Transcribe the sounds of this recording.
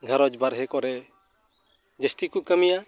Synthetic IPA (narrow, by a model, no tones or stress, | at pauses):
ɡʱaɾɔd͡ʒbaɾɦɛkɔɾɛ | d͡ʒəst̪ikukəmija